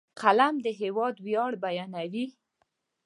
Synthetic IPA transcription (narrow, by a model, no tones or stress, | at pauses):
qʰalamd̪əɦewɑd̪wjɑɽbajɑnawi